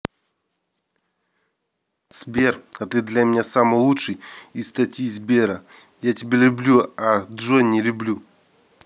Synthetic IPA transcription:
z̥bʲerɐt̪ɨd̪lʲamʲɪnʲasamɨjlˠutʂɨjist̪ɐtʲjizʲbʲeɾə | jatʲɪbʲelʲʊblʲuad̪ʐonʲɪlʲʊblʲu

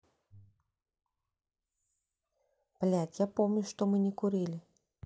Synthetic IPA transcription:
plʲatʲjapomnʲʊʂt̪ɔmɨnʲɛkʊɾilʲɪ

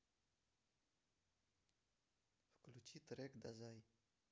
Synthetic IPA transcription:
fklut͡ʃit̪ɾekd̪azaj

